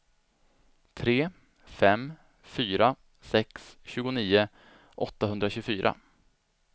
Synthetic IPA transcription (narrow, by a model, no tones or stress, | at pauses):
t̪ʰɾeː | fɛm | fyːɾa | sɛksɕʉːɡʊniːʊ | ʔɔt̪ːahɵnd̪ɾaɕʉfyːɾʔa̰